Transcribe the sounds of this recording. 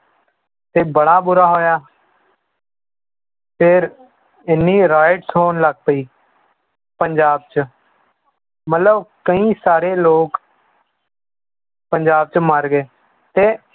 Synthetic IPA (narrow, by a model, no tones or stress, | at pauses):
t̪eːbəɽaːbʊɾaːɦoːjaː | pʰɪɾ | ɪnːiːɾaːɪʈsɦoːnləɡ̚pəiː | pəɲd͡ʒaːb̚t͡ʃə | mət̪ləbkəĩːsaːɾeːloːk | pəɲd͡ʒaːb̚t͡ʃməɾɡeː | t̪eː